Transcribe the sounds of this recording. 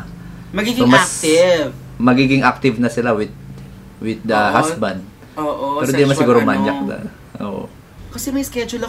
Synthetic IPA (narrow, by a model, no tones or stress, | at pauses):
mɐɡiɡmɐt̪v | mɐɡiɡɪŋʔak̚t̪ɪvnɐsɪlawɪd̪̚ | wɪd̪̚ːɐɦasbɐnd̪̚ | opoɛːɾod̪imɐsɪɡuːɾomɐnjak̚d̪ɐ̰ | ʔo̰ʔo̰ | kɐsɛmɐjskɛd͡ʒolɐ